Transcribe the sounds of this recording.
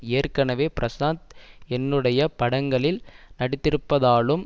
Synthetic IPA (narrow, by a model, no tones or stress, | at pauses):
eːrkɐɳɐʋeːpɪɾʔɐsaːnt̪ɛnːɯɽɐjɐpɐɽɐŋɡɐɭɪlnɐɽɪt̪ːɪɾɯpːɐðaːɭɯm